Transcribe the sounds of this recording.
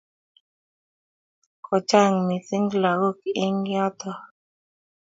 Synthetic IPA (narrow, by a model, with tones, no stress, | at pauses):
kʰɔ˨t͡ʃa˦˨ŋmi˨sɪ˦ŋɡla˨ɡo˦kɪ˨ʔe˦ŋjɔ˦t̪ɔ˨